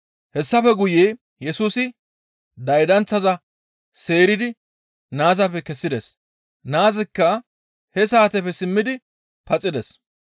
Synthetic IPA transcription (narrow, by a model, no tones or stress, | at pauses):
hɛsːɐfɛɡʊjeː | jɛsuːsɪ | d̪ɐjd̪ɐnt͡sːɐzɐ | se̞ːɾɪd̪ɪ | naːzɐpːɛkɛsːɪd̪ɛs | naːzɪkːɐ | hɛsaːt̪ɛpɛsɪmːɪd̪ɪ | pɐt͡sʼːɪd̪ɛs